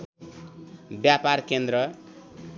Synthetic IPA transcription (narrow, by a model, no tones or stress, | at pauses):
bjaparkend̪ɾʌ